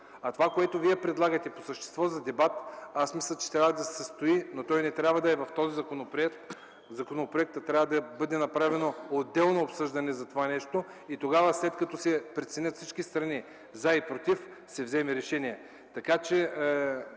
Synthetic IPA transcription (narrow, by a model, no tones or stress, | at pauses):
ɐt̪ovakoɛt̪oviɛpɾɛd̪lˠaɡɐt̪ɛpo̥səʃt̪ɛ̥st̪vɔzɐd̪ɛbat̪asmislʲˠɐt͡ʃɛ̥t̪ɾʲabvɐd̪ɐsɛ̥səst̪oinot̪ɔjnɛt̪ɾʲabvɐd̪ɐɛvɐft̪ɔzizɐkonopɾɛkt̪ | zɐkonopɾoɛk̚t̪t̪ːɾʲavɐd̪ɐbɤd̪ɛnɐpɾavɛnood̪ːɛlˠnoːpsɤʒd̪ɐnɛzɐt̪ovanɛʃt̪o | it̪oɡavəslɛt̪kɐt̪ɔsɛpɾɛt̪sɛnʲət̪fsit͡ʃkist̪ɾɐni | zaipɾot̪if | sɛvzɛmɛɾɛʃɛniɛ | t̪ɐkat͡ʃɛ